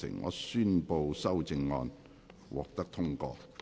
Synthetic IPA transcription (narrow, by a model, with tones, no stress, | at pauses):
ɪ̰˨˩ŋːɔ̰ː˨˧syː˥npo˧wsɐ˥wt͡sɪ˧ŋːɔː˧n | wʔɔ̰ː˨k̚t̪ɐ˥k̚t̪ʰʊ˥ŋkɔ̰ː˧